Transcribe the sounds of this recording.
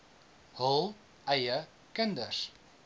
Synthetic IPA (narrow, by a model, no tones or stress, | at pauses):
hɔlˠ | ʔɛjə | kəndəs